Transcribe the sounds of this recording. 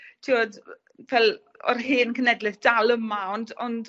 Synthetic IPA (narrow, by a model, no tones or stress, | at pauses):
tʰiɔd | vɛlˠ | ɔ̰rɦɨːnkʰənɛdlɨθd̥alˠəmaɔndɔnd